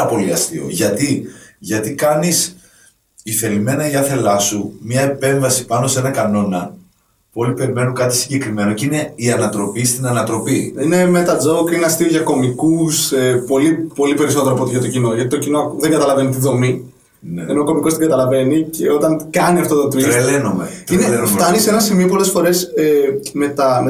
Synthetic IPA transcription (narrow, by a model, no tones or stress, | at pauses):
ɐpo̞liɐst̪ḭo̰ʝɐt̪iʝɐt̪ikɐnis | iθe̞lime̞nɐiɐθe̞lɐsumɲɐe̞pe̞ɱvɐsi̥pɐno̞se̞nɐkɐno̞nɐ | puo̞lipe̞ɾime̞nukɐt̪isiɲɟe̞kɾime̞no̞ceine̞iɐnɐt̪ɾo̞pist̪inɐnɐt̪ɾo̞piine̞met̪ɐd͡zoukieɐst̪ioʝɐko̞mikusepo̞lipo̞lipe̞ɾis̬oeɾoɐpot̪içɐt̪o̞cino̞ʝɐt̪it̪ocinoðe̞ŋɡɐt̪ɐlɐve̞nit̪iðo̞mi | nenooko̞miko̞st̪iɡɐt̪ɐlɐve̞nice̞o̞t̪ɐnkɐniɐft̪ot̪ot̪iɾelenomḛtinelenomft̪ɐnisenɐsimio̞p̬o̞le̞sfo̞ɾe̞seme̞t̪ɐ